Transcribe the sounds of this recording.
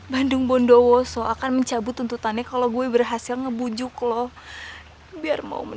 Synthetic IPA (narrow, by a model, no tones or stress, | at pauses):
bandʊŋbɔndowɔsoʔakanməɲt͡ʃabʊt̪unt̪ut̪anɲakaloɡuɛbərɦasɪlŋəbud͡ʒʊklɔh | biarma̰ṵmə